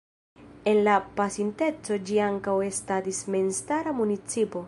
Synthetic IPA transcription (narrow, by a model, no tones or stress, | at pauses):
e̞nlapasinte̞t͡so̞d͡ʒiaŋkawe̞statismenstaɾamunit͡sipo̞